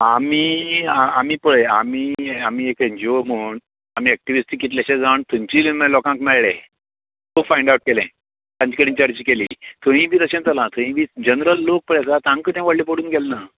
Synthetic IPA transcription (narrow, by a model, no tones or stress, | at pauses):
amiːamiːpəɭeamiːamiːekend͡ʑoməːɳ | am̤iːɛk̚ʈiʋisʈikːit̪laɕẽd͡zaɳt̪umt͡ɕiːlimẽlɔkãŋkmɛɭɭḛ̃ | t̪okfajɳɖawʈ̚kelɛ̰̃ | t̪jãɲt͡ɕikəɽiːt͡ɕaɾt͡ɕiːkelḭːt̪oɦĩʋʱiːt̪əɕẽnt̪əlãt̪ʰõɦĩːbiːd͡ʑənɾəlːok̚pəɭasat̪ãŋkət̪ãʋəɽlip̬əɽuːnɡɛlna